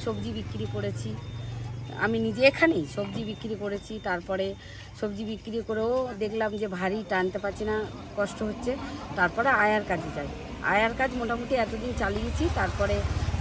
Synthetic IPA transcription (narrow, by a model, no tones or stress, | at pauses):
ʃobd͡ʑibikːɾipoɽet͡ɕʰi | a̰minid͡ʑeekʰanejʃobd͡ʑibikːɾipoɽet͡ɕʰit̪aɾpɔɾe | ʃobd͡ʑibikːɾikoɾeod̪ekʰlamd͡ʑebʱaɾiʈant̪epaɾːt͡ɕʰina | kɔʃʈoɦotːɕʰet̪aɾpɔɾeaeaɾkad͡ʑʱet͡ɕaj | a̰jaɾkad͡ʑmoʈamuʈiɛt̪od̪int͡ɕalijet͡ɕʰit̪aɾpɔɾe